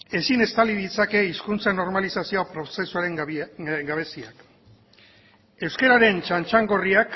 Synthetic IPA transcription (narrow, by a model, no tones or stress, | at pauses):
e̞sine̞st̪aliðit͡sake̞iskunt͡sano̞ɾmalisasioapɾo̞se̞suaɾe̞ŋɡaβ̞e̞siak | e̞wske̞ɾaɾe̞nt͡ʃant͡ʃaŋɡo̞riak